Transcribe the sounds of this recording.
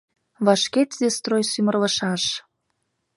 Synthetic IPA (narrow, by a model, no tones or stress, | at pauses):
βɑʃket̪zest̪rojsymərlə̆ʃɑʃ